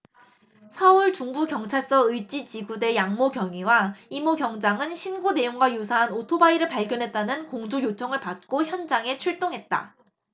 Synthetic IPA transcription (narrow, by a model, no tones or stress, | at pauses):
sʰʌuɭt͡ɕuŋbukjʌŋt͡ɕʰaɭs͈ʌɯjt͡ɕ͈it͡ɕiɡude̞jaŋmoɡjʌŋiwaimoɡjʌŋd͡ʑaŋɯnɕʰinɡone̞joŋɡwajusʰaɦanotʰobaiɾɯɭpaɭɡjʌnɦe̞t̚t͈anɯnkoŋd͡ʑojot͡ɕʰʌŋɯɭpat̚k͈oçjʌnd͡ʑaŋe̞t͡ɕʰuɭt͈oŋɦe̞t̚t͈a̰